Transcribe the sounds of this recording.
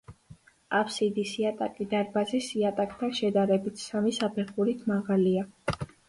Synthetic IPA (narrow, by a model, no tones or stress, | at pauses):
apʰsid̪isiat̪ʼakʼid̪aɾbazisiat̪ʼakʼt̪ʰanʃɛd̪aɾɛbit̪ʰsamisapʰɛχuɾit̪ʰmaʁalia